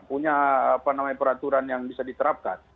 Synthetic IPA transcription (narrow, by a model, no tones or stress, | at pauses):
puɲaapanamajpəɾat̪uɾanjaŋbisadit̪əɾap̚ka̰n